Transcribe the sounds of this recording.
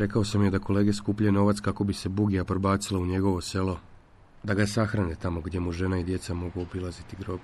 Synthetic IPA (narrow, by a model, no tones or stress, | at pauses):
ɾe̞kao̞samje̞d̪ako̞le̞ːɡe̞skuːpʎeno̞ʋat̪skako̞bise̞buɡijapɾobaːt̪silˠauɲe̞ɡo̞ʋo̞se̞lˠo̞ | d̪aɡasaxɾanet̪amoɡd̪je̞muʒe̞naid̪je̞t̪samo̞ɡuobilazit̪iɡɾo̞ːb